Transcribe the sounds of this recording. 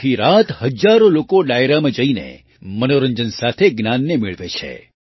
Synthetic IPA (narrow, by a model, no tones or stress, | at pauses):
iɾat̪həd͡ʒaɾõlokoɖajɾamãd͡ʒəinḛ | mənoɾəɲd͡ʒənsat̪ʰeɡnanːemɪɭʋet͡ʃʰḛ